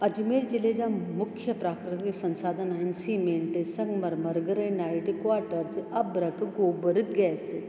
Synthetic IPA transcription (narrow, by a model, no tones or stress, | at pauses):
ɐd͡ʒimeːɾd͡ʒiled͡ʒamʊkʰːjɐpɾaːkɾɨt̪iksɐ̃nsaːd̪ʱɐnaːinsiːmeɳʈɨsɐŋɡmɐɾmɐɾɡɐɾɐnaːiʈikʋaːɾʈɐɾt͡sʔɐbɾɐkɡoːbəɾit̪̚ɡɛːse